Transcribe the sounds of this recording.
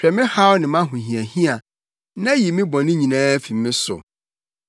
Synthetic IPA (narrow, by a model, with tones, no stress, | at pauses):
pᶣɛ˨mɪ̃˦ha˦wʊ˦nɪ̃˨mã˦ɦũ˨ɦĩ˨æ˨hĩ˦a˨ | nã˦ji˨mɪ̃˦bɔ̃˨nɪ̃˦ɲĩ˨nãː˦fi˨mːɪ̃˦sʊ̰˨